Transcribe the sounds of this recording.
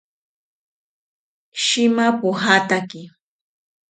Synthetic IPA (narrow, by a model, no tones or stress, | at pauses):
ʃɪmapʊɦat̪akɪ